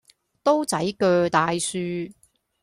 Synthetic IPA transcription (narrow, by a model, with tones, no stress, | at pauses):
t̪o˥wt͡sɐ˨˥jkœː˧t̪aː˨jsyː˧